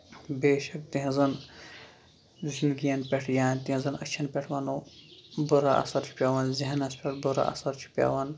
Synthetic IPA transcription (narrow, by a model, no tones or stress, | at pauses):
beːʃɐkt̪iɦĩzɐn | zind̪ɡijɐnpʲeʈʰjaːnʲt̪iɦĩzɐnɐt͡ʃʰɐnpʲeʈʰʋɐnobuɾaʔɐ̰sɐɾt͡ʃʰi̥pʲaːʋɐnziɦɐnɐspʰʲeʈʰbuɾa̰ʔɐ̰sɐɾt͡ʃʰi̥pʲɐ̰ʋɐn